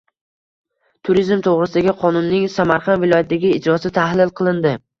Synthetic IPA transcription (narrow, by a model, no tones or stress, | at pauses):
t̪ʰʊɾizmt̪ʰoʁɾɪsɪd̪aɡʲɪqʰɒnʊnːɪŋsamaɾqʰɑnvɪlˠɒjat̪̚ʰːd̪aɡʲɪɪːd͡ʒɾɒsɪt̪ʰahlɪlˠqʰɨlˠɪnd̪ɪ